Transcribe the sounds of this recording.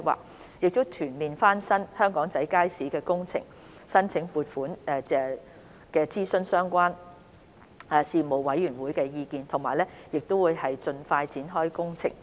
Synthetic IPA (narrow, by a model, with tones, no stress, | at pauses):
wa̰ː˨k̚ | jɪ˨k̚t̪ʊ˥t̪ʰyː˨˩nliː˨nfaː˥nsɐ˥nhœː˥ŋkɔː˨˥ŋt͡sɐ˨˥jkaː˥jsiː˨˥kɛː˧kʊ˥ŋt͡sʰɪ̰˨˩ŋ | sɐ˥nt͡sʰɪ˨˥ŋpuː˨˧t̚fuː˨˥nɛː˧ɛ˧ | kɛː˧t͡siː˥sɵ˧nsœː˥ŋkʷaː˥n | ɛː˨˩siː˨mo˨wwɐ˨˥jːyː˨˩nwuː˨˥jkɛː˧jiː˧kiː˨˧nt̪ʰʊ˨˩ŋmaː˨˩jlɛː˥jɪ˨k̚t̪o˥wuː˨˧jhɐ˨jt͡ʃɵ˧nfaː˧jt͡siː˨˥nɦɔː˥jkʊ˥ŋt͡sʰɪ̰˨˩ŋ